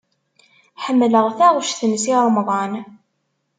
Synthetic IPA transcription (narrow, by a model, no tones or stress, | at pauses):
ħəmːləʁθæʁʊʃθənsiɾˤmðˤɑn